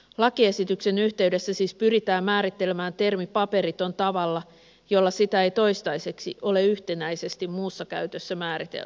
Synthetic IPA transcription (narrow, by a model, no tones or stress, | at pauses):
lɑkie̞sit̪ykse̞nyht̪eyde̞sːæsiːspyrit̪æːmmæːɾit̪ːe̞lemæːnt̪e̞rmipɑpe̞ɾit̪o̞nt̪ɑʋɑlːɑ | jo̞lːɑsit̪æejt̪o̞jst̪ɑjse̞ksḭʔo̞le̞yht̪enæjse̞st̪immuːsːɑkæ̰yɥt̪øsːæmæːɾit̪ḛl